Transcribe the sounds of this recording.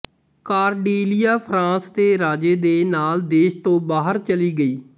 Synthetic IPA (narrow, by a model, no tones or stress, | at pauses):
kaːɾɖiːlɪjaːpʰɾãːst̪eːɾaːd͡ʒeːd̪eːnaːld̪eːʃt̪õːbaːɦəɾt͡ʃəliːɡəiː